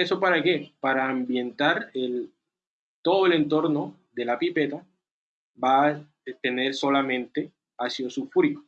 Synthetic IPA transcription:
esopaɾakepaɾaːmbje̞nt̪aɾel | t̪oðoele̞nt̪o̞ɾno | ðelapipet̪a | ba | t̪ene̞ɾsolamẽnt̪e | asjosufɾiko

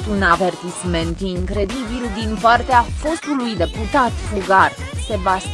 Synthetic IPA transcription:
unave̞rt̪isme̞nt̪iŋkɾe̞d̪ibild̪inpart̪eafo̞st̪ulujd̪e̞put̪at̪fuɡarse̞bast̪

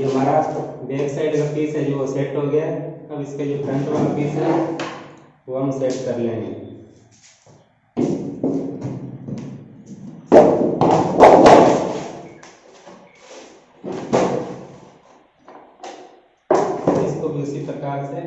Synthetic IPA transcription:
d͡ʒoːmaːɾaːsbeːksaɪɖkapiːsɦɛd͡ʒoseːʈɦoɡɐjaɐbɪsked͡ʒopʰɾɐ̃ɳʈʋaːlapiːsɦɛ | ʋoɦɐmseːʈkɐɾlẽːŋi | ɪskobʱiʊsipɾɐkaːɾse

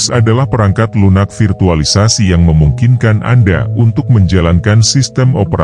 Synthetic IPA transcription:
sadalahpəɾaŋkat̪lunak̚firt̪ualisasijaŋməmuŋkinkanʔa̰nda̰unt̪ʊk̚məɲd͡ʒalankansist̪ɛmopəɾa

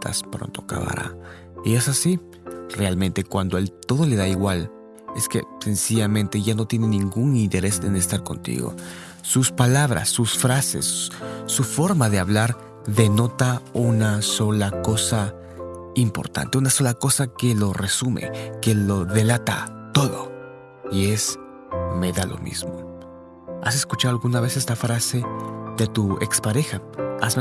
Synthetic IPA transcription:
t̪a̰spɾo̰nt̪oaka̰βa̰ɾa̰ | iesasi | re̞almẽ̞nt̪e̞kwand̪oelt̪o̞ðo̞le̞ðaiɣwal | eske̞̰se̞nsiʝamẽ̞nt̪e̞ʝano̞t̪je̞ne̞nĩŋɡuŋint̪e̞ɾe̞sḛnest̪aɾko̞̰nt̪ḭɣo̰ | suspalaβɾa̰sːusfɾase̞̰sːufo̞ɾmaðe̞aβlaɾ | ðe̞no̞t̪aunaso̞lako̞sa | impo̞̰ɾt̪a̰nt̪e̞unaso̞lako̞sake̞lo̞resumḛke̞lo̞ðe̞lat̪a̰t̪o̞ðo̞̰ | ie̞s | me̞ðalo̞̰mḭzmo̞̰ | a̰s̬e̞skut͡ʃaðalɣunaβe̞sest̪afɾase̞ðe̞t̪uḛkspaɾe̞xaaz

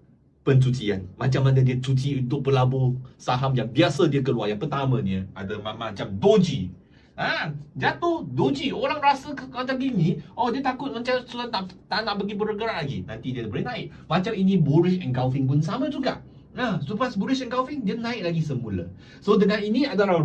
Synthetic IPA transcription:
pənt͡ʃut͡ʃia̰nmat͡ʃamːanədiət͡ʃut͡ʃiunt̪ʊk̚pəlabosaɦamjaŋbiasədiəkəluarjaŋpərt̪amə̃niəʔa̰dəmamat͡ʃamdod͡ʒi | ad͡ʒat̪ʊhdod͡ʒioɾaŋrasəkəat͡ʃaɡiniɔhdiət̪akʊt̪̚mat͡ʃamsuat̪̚naʔt̪anaʔbəɡibəɾəɡəɾaʔlaɡḭnãnt̪idiədbəlinãɪk̚ | mat͡ʃaminĩbuɾɪʃɛnkawfɪŋp̬ʊnsamãd͡ʒuɡa̰ʔ | asəpasbuɾɪʃɛnkawfɪŋdiənãɪk̚laɡisəmulə̰ | sodəŋaninĩadaa

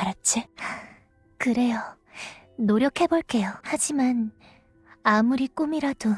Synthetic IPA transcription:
kaɾat͡ɕ͈ʰi | kɯɾe̞jʌ | noɾjʌkʰe̞boɭk͈e̞johad͡ʑiman | amuɾik͈umiɾad̥o

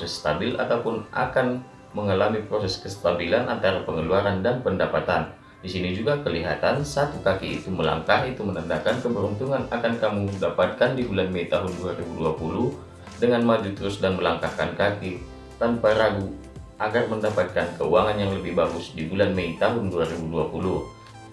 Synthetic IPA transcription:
psɛsːt̪abɪla̰t̪aupʊnʔa̰kan | məŋalamipɾosɛskəst̪abilanʔant̪aɾapəŋəluaɾandanpəndapat̪an | disinid͡ʒuɡakəliɦat̪ansat̪ukakiḭt̪uməla̰ŋkahit̪umənəndakankəbəɾunt̪uŋanakankamudapat̪̚kandibulanməit̪aɦʊnduaɾibuduapuluh | dəŋanmad͡ʒut̪əɾʊsdanməlaŋkahka̰nkaki | t̪anpaɾaɡu | ʔaɡarməndapat̪̚kankəuaŋanjaŋləbɪhbaɡʊsdibulanməit̪aɦʊnduaɾibuduapulʊh

